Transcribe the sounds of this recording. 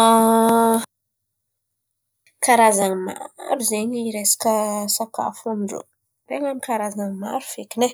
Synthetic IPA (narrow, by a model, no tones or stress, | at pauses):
a | kaɾazaŋma̰ɾuzeɲiɾesḁkəsaka̰famiɳɖ͡ʐo̰ | reŋamikaɾazaŋma̰ɾuv̥ekine